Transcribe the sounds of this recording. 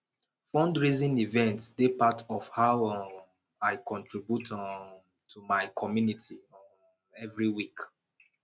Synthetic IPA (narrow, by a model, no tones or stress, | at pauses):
fɔ̃ndɹizĩnivɛ̃ntsd̥epatɔfhaʊ | aɪkɔ̃ntʰɹibjut | tʰumaɪkʰɔmjunitʰi | ɛvɹiwik